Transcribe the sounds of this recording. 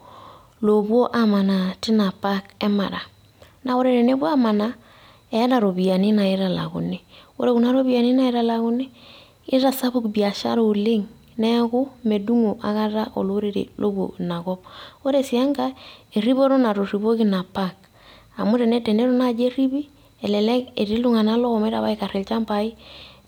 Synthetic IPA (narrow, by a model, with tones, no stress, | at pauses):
lo˨βo˦ʔa˨ma˨na˨ti˦na˨pa˦kɛ˦ma̰˨ɾa˨ | na˨o˦ɾe˨ɾe˨ne˦βwa˦ma˨na˦ | ɛ˨a˦ɾa˨ɾo˨βi˨a˨ni˦na˨ɪ˦ɾa˨la̰˨ɣṵ˨ni˦o̰˦ɾe˨ɣu˨na˦ɾo˦βi˨a˨ni˦na˨i˦ɾa˨la˨ɣʊ˦ne˦ | i˦ɾa˨sa˦βu˦kbi˨a˨ʃa̰˦ɾo˨li˦ŋ | nɛ˦ɣʊ˦me˨du˦ŋo˨ʔa̰˨ɣa˦ɾa˦ʔɔ̰˨lo˦ɾe˨ɾḛ˨lʔo˦bo̰˨na˨ɣɔ˦b̚o˦ɾe˦si˨a˦ŋɡa˦e˨ri˦βo˦ɾɔ˦na˨ɾo˨ri˨βo˦ki˦na˨pa˦k | a̰˨mu˦ɾe˨nɛ˦tɛ˨ne˦ɾɔ˦na˦d͡ʒe˦ɾi˦βi˦ | ɛ˨lɛ˨lɛ˦ke˨ɾi˦lu˦ŋa˨na˦lɔ˦ɔ˨me˦ɾa˨βa˦i˦ka˨ɾɪ˨lt͡ʃa˦mpa˨i˦